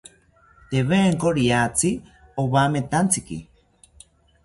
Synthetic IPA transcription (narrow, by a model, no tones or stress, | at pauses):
t̪eβeːŋkoɾiat͡si | oβamet̪ant͡sikḭ